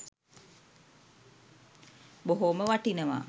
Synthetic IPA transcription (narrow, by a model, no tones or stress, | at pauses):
boɦoməʋaʈinəʋa̰